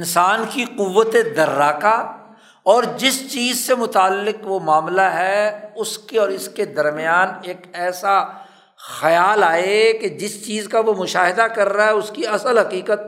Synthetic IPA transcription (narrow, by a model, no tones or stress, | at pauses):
ɪnsaːnkiqʊʋːət̪ed̪ɐɾːaːka | ɔːɾd͡ʒɪst͡ʃiːzsemʊt̪aːlːɪqʋomaːmlaɦɛʊskeɔːɾɪsked̪ɐɾmɪjaːneːkɛːsa | xɐjaːlaːeked͡ʒɪst͡ʃiːzkaʋomʊʃaːɦɪd̪akɐɾːaɦɛʊskiɐsəlɦɐqiːqət̪̚